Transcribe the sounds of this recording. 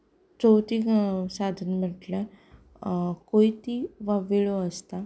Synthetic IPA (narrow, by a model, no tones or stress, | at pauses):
t͡sowt̪isad̪ʱənməʈlə | koit̪iʋaʋiɭoəst̪a